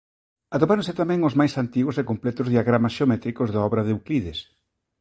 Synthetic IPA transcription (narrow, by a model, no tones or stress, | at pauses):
at̪opaɾõnsɪt̪amɛ̃ŋozmajsant̪iɣosekomplɛt̪ʊzðiaɣɾamasʃeomɛt̪ɾikozðaɔβɾɐðɪukliðɪs